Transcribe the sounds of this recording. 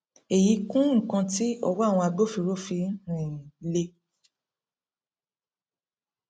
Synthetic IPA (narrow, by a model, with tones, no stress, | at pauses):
e˨ji˨˦kũ˦ŋ̩˨kã˧ti˦ɔ̰˧wɔ˦a˦˨w̃ɔ̃˧a˧ɡ͡bo˦fi˧ɾo˦fi˧ɾĩ˨le˧